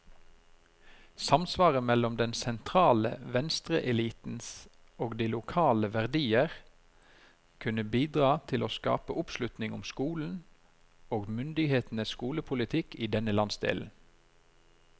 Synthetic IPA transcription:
sɑmsʋɑːʁəmɛlɔmd̪ɛnsɛnt̪ʰʁɑːlə̰ʋɛnst̪ʁəʔɛliːt̪n̩s | oːɡd̪iːlʊkʰɑːləʋæʁd̪iːəʁ | kʰʉnəbiːd̪ʁɑːt̪ʰɪloːskɑ̰ːpəʔʊpslʉt̪nɪŋʊmskuːln̩ | oːɡmʏnd̪ɪɡheːt̪n̩əsskuːləpʰʊlɪt̪ʰɪkiːd̪ɛnəlɑnsd̪ḛːln̩

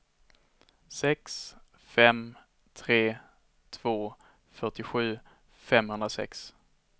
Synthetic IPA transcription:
sɛks | fɛm | t̪ʰɾeː | t̪ʰv̥oː | fœʈɪɧʉ̟ː | fɛmhɵnd̪ɾasɛ̰ks

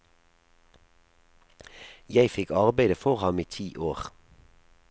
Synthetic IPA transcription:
jæɪfɪkɑʁbæɪd̪əfɔʁhɑmiːt̪ʰiːʔoːʁ

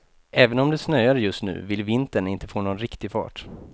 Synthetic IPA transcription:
ʔɛːvənɔmd̪ɛsnœjaɾjɵst̪nʉ̟̰ːvɪlvɪnt̪əɳɪnt̪ə̥foːnɔnɾɪkt̪ɪɡfɑ̰ːʈ

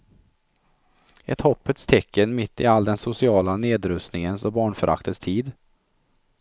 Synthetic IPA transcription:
ɛ̰t̪hɔpːət̪st̪ʰɛkʰːənmɪt̪ʰːɪ̰ald̪ɛnsʊsɪɑːlaneːd̪ɾɵst̪nɪŋənsɔbɑːɳfœɾʔa̰kt̪ʰəst̪ʰiːd̪

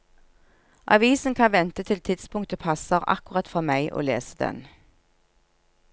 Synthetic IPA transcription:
ʔɑ̰ʋiːsn̩kʰɑnʋɛnt̪ət̪ʰɪlt̪ʰɪt̪spʰʊŋt̪əpʰɑsəʁɑ̰kʊʁɑt̪fɔʁmæɪʔo̰ːlḛːsəd̪ɛ̰n

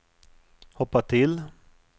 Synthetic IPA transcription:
hɔpːat̪ʰɪl

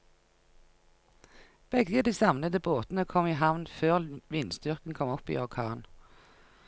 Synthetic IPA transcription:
b̥ɛɡəd̪iːsɑmnəd̪əboːt̪n̩əkʰɔmɪːɦɑʋnføːʁʋɪnst̪ʏʁkən̩kʰɔmɔpḭːɔʁkʰɑːn

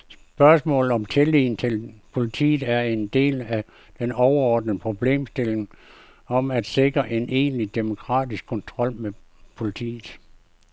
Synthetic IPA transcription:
s | b̥ɶɐsmɔ̰̽ːlð̩ˠɒ̽mt͡sʰe̝lḭːn̩t͡sʰe̝lpʰo̝lit͡sʰḭːð̩ˠæɐe̝nd̥e̝̰ːlæ | d̥enɒʊɐɒːd̥n̩əpʰʁo̝b̥le̝̰ːmsd̥e̝le̝ŋ | ɒ̽mæd̥se̝ɡ̥ʁɐʔe̝nʔe̝̰ːnlid̥emo̝kʰʁɑ̰̈ːdisɡ̥̚kʰɒ̽nt͡sʰʁɒ̽l̰mepʰo̝lit͡sʰḭːð̩ˠ

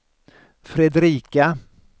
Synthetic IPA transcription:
fɾɛd̪ɾiːka

